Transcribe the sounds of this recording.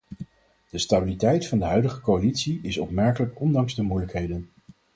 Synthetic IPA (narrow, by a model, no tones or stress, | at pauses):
d̥əstabilitɛjtfɑndəɦœɥdəχəkowalitsiɪsɔpmɛɹkələkɔndɑŋzdəmujləkɦejdən